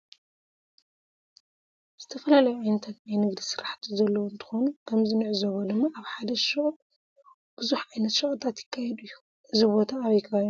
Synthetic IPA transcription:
z̥ɨt̪ʰɐfɐlalɐjuʕajnɐt̪ʰat̪najnɨɡd̪isɨɾaħt̪ʰizɐlːɐwoɨnt̪ʰɨ̥xo̞nukʰɐmzinɨʕzoβod̪ɨmːaʔaβħad̪ɐʃɨχʼ | b̥ɨzuħʕajnɐt̪ʃɨχʼt̪ʰat̪jɪ̥kʰːajɛd̪uɨjːu | ʔɨzibo̞t̪ʰaːβjkʰɨaɾu

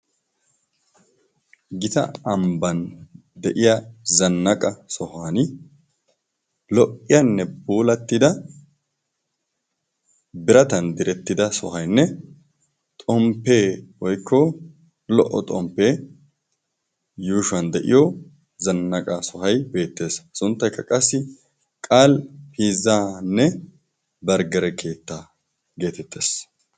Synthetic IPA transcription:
ɡɪt̪ɐ̰ɐmbɐn | d̪ɛʔɪjɐzɐnːɐkʼɐsɔhaːn | lɔʔːɪjɐnːɛbuːlɐt̪ːɪd̪ɐ | bɪɾɐt̪ɐnd̪ɪɾɛt̪ːɪd̪ɐsɔ̰ɦɐjnːɛ | t̪ʼɔmpːeːwɔjkʰːɔ | lɔʔɔ̰t̪ʼɔ̰mpːe̞ː | juːʃʊɐnd̪ɛʔɪ̰jɔ | zɐnːɐkʼasɔɦɐjbe̞ːt̪ːe̞ːssʊnt̪ːɐjkːɐkʼɐsːɪ | kʼaːlhiːzːaːnːɛ | bɐɾɡɐɾɛkʰe̞ːt̪ːa | ɡe̞ːt̪ɛt̪ʰːe̞ːs

